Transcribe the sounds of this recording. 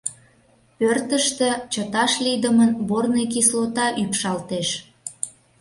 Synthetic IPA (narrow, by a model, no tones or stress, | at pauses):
pørt̪əʃt̪ĕt͡ɕət̪ɑʃlid̪əmənbornejkislot̪ɑʔypʃɑlt̪eʃ